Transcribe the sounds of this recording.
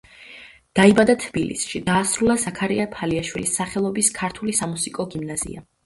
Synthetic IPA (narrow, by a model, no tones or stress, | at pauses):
d̪̥aibad̪at̪ʰb̥ilḭsʃid̪aːsɾulˠazakʰaɾiapʰaliaʃwilisːaχɛlˠɔbiskʰaɾt̪ʰulisamusikʼɔɡimnazḭa̰